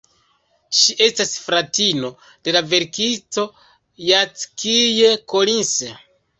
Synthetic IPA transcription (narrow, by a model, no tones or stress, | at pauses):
ʃiʔe̞stasfɾatino̞ | d̥e̞lave̞ɾkisto̞ | jat͡skijekolinse